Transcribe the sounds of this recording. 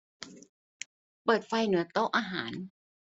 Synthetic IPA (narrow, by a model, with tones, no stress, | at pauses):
pɤː˨˩t̪̚fa˧jnɯ˩˦ɐt̪o˥˩wʔaː˧ɦa̰ː˩˦n